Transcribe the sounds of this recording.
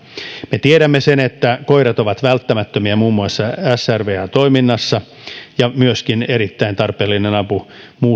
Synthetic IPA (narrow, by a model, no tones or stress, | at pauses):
met̪ieɾæmːesenet̪ːækoiɾɑt̪oʋɑt̪ʋælt̪ːæmæt̪ːømiæmuːmːuɑsːɑæsærʋeːɑt̪oiminːɑsːɑ | jɑmyøskineɾit̪ːæint̪ɑrpeːlːinenɑpu | muː